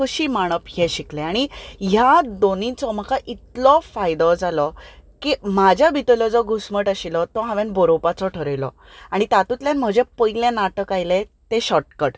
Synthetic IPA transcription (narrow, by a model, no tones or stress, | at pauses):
əɕiːmaɽ̃əpjɛ̃ɕikleaɽ̃iɦjad̪onĩt͡sɔməkaʔit̪lɔfajd̪ɔd͡zalɔkimad͡ʑʱjabit̪əlɔd͡zɔɡʱusməʈaɕilɔt̪ɔɦãʋẽnbɔɾopat͡sɔʈʰəɾəjlɔ | aɽ̃it̪at̪ut̪ljãnm̤əd͡ʑɛ̃pəjlẽnaʈəkajlẽt̪eɕɔʈkəʈ